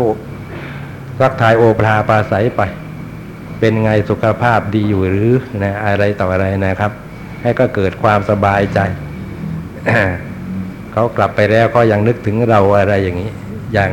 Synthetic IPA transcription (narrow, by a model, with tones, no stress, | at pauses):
o˧˩ | sa˦˥˩k̚t̪ʰaː˧jʔoː˧pʰlaː˧pʰaː˧sa˩˦jpa˧j | pe˧nŋa˧jsu˨˩kʰa˧pʰaː˥˩p̚diː˧juː˨˩ɾɯː˨˦na˦˥ʔa˧ɾa˧jt̪ɔː˨˩ʔa˧ɾa˧jna˦˥˩kʰa˦˥p̚ | ha˥˩jkɔː˥˩kɤː˨˩t̪̚kʰwaː˧msa˧baː˧jt͡ɕa˧j | ʔ | kʰa˦˥wkla˨˩pːa˧jɾɛː˦˥˩wkʰɔː˦˥˩ja˧ŋnɯ˦˥k̚t̪ʰɯ˩˦ŋɾa˧wʔa˧ɾa˧jːaː˨˩ŋːiː˦˥ | jaː˨˩ŋ